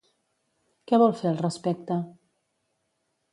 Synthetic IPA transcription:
kɛβɔlˠfeəlˠrəspɛk̚t̪ə

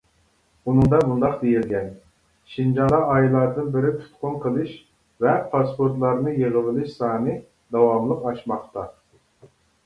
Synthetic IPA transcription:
unɨŋd̪ɑmund̪ɑqd̪ejilɡʲɛn | ʃind͡ʒɑd̪ɑɑjlˠɑɾd̪ɨnbɪɾɪt̪ʰu̥t̪qʊnqʰəlˠɨʃ | vɛpʰɑspoɾt̪lˠɑɾnɨjeʁəvɪlˠɨʃsɑːnɨ | d̪ɑwɑmlˠəqɑʃmɑχt̪ɑ

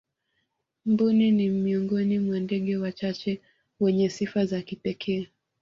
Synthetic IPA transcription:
m̩buninimiɔŋɡɔnimwandɛɠɛwat͡ʃat͡ʃɛ | wɛɲɛsifazakipɛkʰɛː

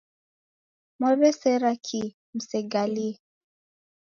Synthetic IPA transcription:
mwɛβɛsɛɾakʰi | m̩sɛɡali

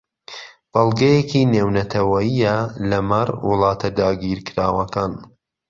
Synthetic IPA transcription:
b̥ɑlˠɡɐjekiːneːwnɐt̪ʰɐwɐjijɐlɐmɐrwɨ̰lˠɑːt̪ʰɐd̪aːɡiːɾkɨɾaːwɐkaːn

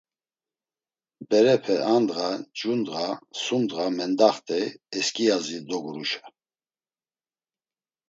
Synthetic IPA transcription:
bɛɾɛpʰɛʔand̪ɣad͡ʒund̪ʁasund̪ʁamɛnd̪aχt̪ʼɛɛskʼijazid̪ɔɡuɾuʃḁ

